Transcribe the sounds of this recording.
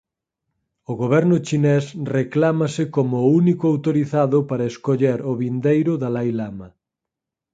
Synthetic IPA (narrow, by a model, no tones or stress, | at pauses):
oɣoβ̞ɛɾnʊt͡ʃinɛsreklamasɪkomounikʊawt̪oɾiθaðʊpaɾaeskoʎeɾoβind̪ejɾʊðalajlama